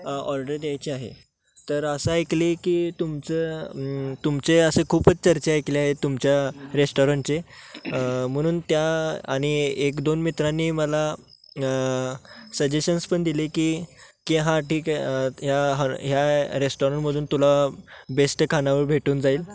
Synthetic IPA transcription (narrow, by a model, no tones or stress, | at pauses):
ɔɾɖəɾd̪jajt͡ɕiːaɦḛ | t̪əɾəsəajklikiːt̪umt͡sə | t̪umt͡seəsəkʰuːpət͡st͡ɕəɾt͡ɕeajkleaɦet̪umt͡ɕjaɾesʈɔɾaɳʈt͡se | m̤əɽ̃uːnt̪jaaɽ̃iekd̪onmit̪ɾanːiːməla | səd͡ʑeɕənspəɳd̪ilekiːkeɦãʈʰiːkɦjaɦɦjaɾesʈɔɾəɳʈməd̪ʱuːnt̪ulabesʈkʰanaʋəɾbʱeʈuːnd͡zaiːl